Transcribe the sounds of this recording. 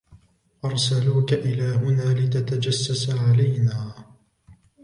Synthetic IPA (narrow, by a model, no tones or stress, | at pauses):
ʔɑɾˤsaluːkaʔɪlaːɦʊnaːlɪt̪at̪ad͡ʒasːasaʕalajnaː